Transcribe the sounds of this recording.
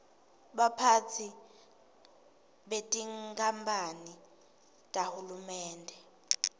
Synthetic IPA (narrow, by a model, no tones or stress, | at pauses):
ɓapʰat͡sʰi | ɓetʼiŋkʰʼambʰʱʼani | tʼahulumɛːndʱɛ